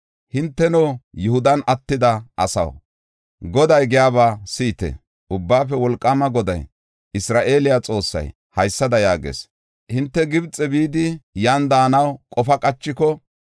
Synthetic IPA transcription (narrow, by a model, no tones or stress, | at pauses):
hɪnt̪ːɛnoːjʊhʊd̪ɐnɐt̪ːɪd̪ɐʔɐsɐ̰w | ɡɔd̪ɐjɡɪjaːβaːsiːt̪ɛ̰ | ʊbːaːfɛwɔlkʼːamɐɡɔd̪ɐ̰j | ɪsɾaːʔe̞ːlɪjat͡sʼo̞ːsːɐ̰j | hɐjsːɐd̪ɐjaːɡḛs | hɪnt̪ːɛɡɪbt͡sʼːɛbiːd̪ɪjaːnd̪aːnɐwkʼɔfɐkʼɐt͡ʃːɪkɔ